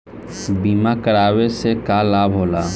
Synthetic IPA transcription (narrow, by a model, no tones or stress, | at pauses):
biːmakəɾaːwesekalaːbʱɦoːlaː